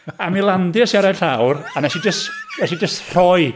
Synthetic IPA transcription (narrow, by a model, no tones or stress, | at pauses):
amilˠandɪəsiaɾḁɬawranɛsid͡ʒəstɛsid͡ʒəstr̥ɔj